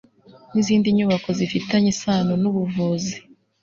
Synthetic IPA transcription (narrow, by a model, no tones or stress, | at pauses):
niziːndiɲuβako̞zifitaɲisaːnonuβuvuzi